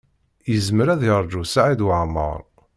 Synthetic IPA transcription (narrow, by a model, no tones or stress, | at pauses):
jəzməɾæðiɾˤd͡ʒusaʕid̪wəʕmə̰ɾˤ